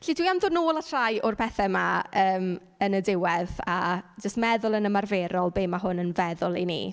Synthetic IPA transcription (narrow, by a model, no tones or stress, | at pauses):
ɬidwiamðʊnoːlˠatʰr̥ajʊrpʰɛθɛmaəːm | ənədɪwɛðad͡ʒəstmɛðʊlˠənəmarveːɾɔlˠbeːmaɦʊnənvɛðʊlˠinḭː